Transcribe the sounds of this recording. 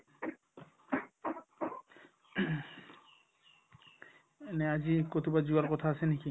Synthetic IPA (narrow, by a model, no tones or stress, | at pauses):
enead͡ʑikot̪ʰibad͡ʑuaɾkɔt̪ʰaat͡ɕʰeniki